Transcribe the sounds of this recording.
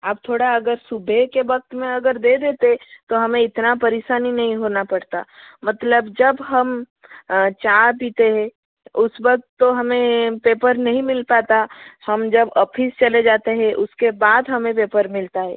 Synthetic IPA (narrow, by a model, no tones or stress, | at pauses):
aːp̚t̪ʰoːɽaɐɡəɾsubʱekeʋɐk̚t̪mẽɐɡəɾd̪ed̪eːt̪et̪oɦɐmẽɪt̪napəɾɪʃaːninɐɦĩɦonapɐɽt̪a̰mət̪ləbd͡ʒəbɦəm | t͡ʃapiːt̪eɦɛ̃ | ʊsbək̚t̪ːoɦɐmẽpeːpəɾnɐɦĩmɪlpaːt̪ahɐmd͡ʒɐbɔːpʰist͡ʃɐled͡ʒaːt̪eɦɛ̃ʔʊskebaːd̪ɦɐmẽpeːpəɾmɪlt̪aɦɛ̰ː